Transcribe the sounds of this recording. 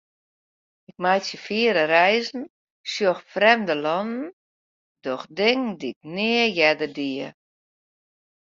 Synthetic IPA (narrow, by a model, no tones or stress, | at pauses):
ɪk̚majsjəfiəɾərɛjzn̩ | sjoxfrɛmdəlɔnn̩ | dɔxdɪŋdiɪk̚nɪəjɛdərdiə